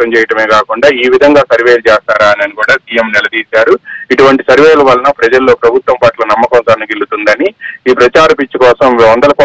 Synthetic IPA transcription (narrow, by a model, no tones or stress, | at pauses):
ɐmt͡ʃɛːjɐʈɐme̞ːkaːkuɳɖaːiːʋid̪ʱɐŋɡaːsɐɾʋeːlt͡ʃeɛːst̪aːɾaːɐnɐnikuːɽaːsiːjɐmnɛlɐd̪iːsaːɾuiʈuʋɐɳʈisɐɾʋeːjluʋɐlːɐnɐpɾɐd͡ʒɐlːo̞ːpɾɐbʱut̪ʋɐmpaʈlɐnɐmːɐkɐnsaːnɐɡilːut̪und̪ɐniiːpɾɐt͡ʃaːɾɐpit͡ʃːikɔːsɐmɔnd̪ɐlɐkɔ